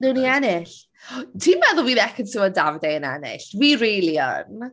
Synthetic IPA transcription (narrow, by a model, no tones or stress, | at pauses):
nɨwniɛnɪɬ | tʰiːmbɛðʊlˠwiːðɛkʰədsɪvɔdavdɛənɛ̰nɪ̰ɬwiːɾejlˠijɔ̰n